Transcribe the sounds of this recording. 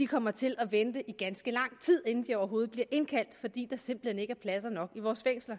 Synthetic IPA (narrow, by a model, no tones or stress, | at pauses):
d̥ikʰɒ̽m̰ɐt͡sʰe̝lʔɒ̽ʋend̥əʔiɡ̥ænsɡ̥əlɑ̈ŋ̰t͡sʰið̞̰ˠe̝nn̩d̥iɒʊɐɦo̝ːð̞̩ˠb̥liɐʔe̝nkʰæl̰d̥fɒ̽d̥ḭːd̥ɑ̈se̝mb̥l̩hene̝ɡ̥æɐpʰlæsɐnɒ̽ɡ̥iʋɒːsfeŋ̰slɐ